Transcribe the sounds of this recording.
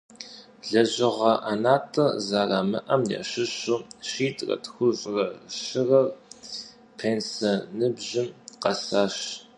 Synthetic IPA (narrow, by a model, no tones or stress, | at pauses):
ɮɐʑɪʁɐʔanaːtʼɐzaːramɨʔɐmjɐ̰ɕɪɕʊːɕiːtʼrɐ̰txʷʊɕʼrɐʃɪrɐr | pʰeːnsɐnɨbʑɪmqɐsaːɕ